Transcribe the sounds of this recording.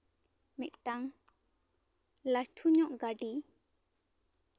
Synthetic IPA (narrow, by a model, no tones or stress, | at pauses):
miʔ̚taŋ | lastʰuɲɔʔɡaɖi